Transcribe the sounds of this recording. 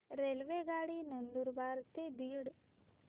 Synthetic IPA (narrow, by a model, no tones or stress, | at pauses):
ɾelʋeɡaːɽinɐnd̪uɾbaːɾt̪ed̪iːɽ